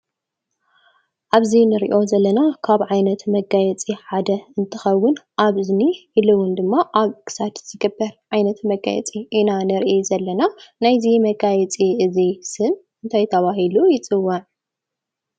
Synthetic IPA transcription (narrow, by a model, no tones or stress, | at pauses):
ʔaβzinɨɾḭʔo̞zɐlːɐnakʰaβʕajnɐt̪mɐɡajɛt͡sʼiħad̪ɐɨnt̪ʰɨxɐwːʊnʔaβɨzniɨlɨwʊnd̪ɨmːaʔaβkʰɨ̥sat̪z̥ɨɡɨbːɐɾʕajnɐt̪mɐɡa̰jɛ̰t͡sʼiʔinanɨɾʔizɐlːɐnanajzimɐɡajɛt͡sʼiʔɨzisɨn | ɨnt̪ʰajt̪ʰɐβaɦilujɪt͡sʼɨwːɐʕ